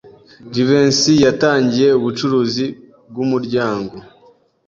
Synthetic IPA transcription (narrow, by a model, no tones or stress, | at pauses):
divensijataːɲɟije̞uβut͡ʃuɾuːzi | b̚ɡumuɾɟaːŋɡo̞